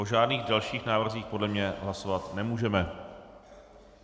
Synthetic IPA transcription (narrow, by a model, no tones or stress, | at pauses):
oʒaːdniːɣdalʃiːxnaːvr̩ziːxpodlɛmɲɛɦlasovat̪nɛmuːʒɛmɛ